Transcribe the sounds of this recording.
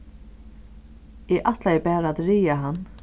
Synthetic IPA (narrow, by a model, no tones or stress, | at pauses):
ɛʔaht̪lajɛbæːɾat̪ɾiːjaɦanː